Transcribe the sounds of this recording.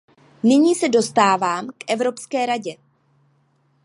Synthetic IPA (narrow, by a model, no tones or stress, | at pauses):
nɪɲiːsɛdo̞st̪aːvaːmkʔɛvɾo̞pskɛːɾaɟɛ